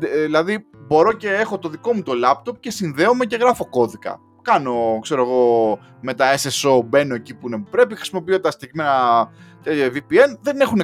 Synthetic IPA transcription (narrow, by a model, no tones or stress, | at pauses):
ðilɐðibo̞ɾo̞ce̞exo̞t̪o̞ðiko̞mut̪o̞lɐp̚t̪o̞p̚ce̞sinðe̞o̞me̞ce̞ɣɾɐfo̞ko̞ðikɐ̰ | kɐno̞kse̞ɾoeɣo̞ | me̞t̪ɐeseso̞be̞no̞ecipuineupɾe̞pixɾisimo̞p̬iot̪et̪ɐst̪eʝime̞nɐt̪evipie̞nðe̞ne̞xune